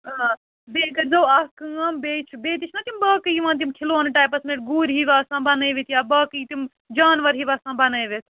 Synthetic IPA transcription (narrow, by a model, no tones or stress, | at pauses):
beːkɐɾzɐwɐkɨɐmbeːt͡ʃʰbeːt̪it͡ʃʰnɐt̪imbɐːkɨjiʋãːnt̪̬imkʰiloːnʈaːpɐsmeʈ̚ɡuːɾɦiʋaːsãːbanɐjʋit̪jaːbɐːkɨit̪im | d͡ʒaːnʋɐɾɦiʋaːsãːbanɐjʋet̪ʰ